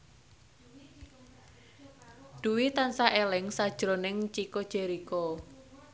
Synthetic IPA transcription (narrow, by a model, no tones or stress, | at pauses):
d̪̥uwit̪ansaʔelɪŋsad̥ʒ̥ɾonɪŋt͡ʃikod̥ʒ̥eɾiko